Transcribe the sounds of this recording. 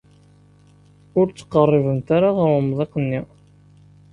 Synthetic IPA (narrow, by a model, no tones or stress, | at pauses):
ʊɾt͡sːə̥qːərˤːivənt̪aɾaʁəɾmðˤeqənːi